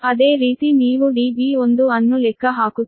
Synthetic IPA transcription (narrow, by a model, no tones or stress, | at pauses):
ɐd̪eːɾiːt̪iniːʋuɖiːbiːond̪uɐnːulɛkʰːɐɦaːku